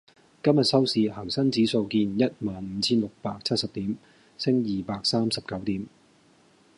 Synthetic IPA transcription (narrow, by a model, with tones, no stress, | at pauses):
kɐ˥mjɐ˨t̚sɐ˥wsiː˨˧hɐː˨˩ŋsɐ˥ŋt͡siː˨˥so˧wkiː˧njɐ˥t̚maː˨nm̩ː˨˦t͡sʰiː˥nlʊ˨k̚paː˧k̚t͡sʰɐ˥t̚sɐ˨p̚t̪iː˨˥m | sɪ˥ŋjiː˨paː˧k̚saː˥msɐ˨p̚kɐ˨˥wt̪iː˨˥m